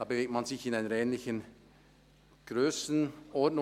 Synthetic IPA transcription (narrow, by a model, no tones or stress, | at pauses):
daːbeveːk̚tmanzɪçɪnaɪnəɾɛːnlɪçən | ɡ̥ʁøːsn̩ʔɔɐtnʊ